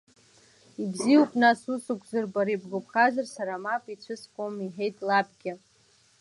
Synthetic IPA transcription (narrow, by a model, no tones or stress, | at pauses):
ibziupʼnasusʼukʷʰzɨrbaɾibɡopʰʼχazarsaɾamapʼit͡ɕʷʰɨskʷʼomiħe̞jtʼlabʼɡʲɪ